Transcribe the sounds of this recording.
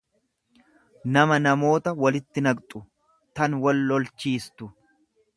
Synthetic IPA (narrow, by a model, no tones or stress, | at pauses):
nɐmɐnɐmo̞ːt̪ɐwɐlɪt̪ːɪnɐɡt̪ʼʊ | t̪ɐnwɐlːɔlt͡ʃːiːst̪ʊ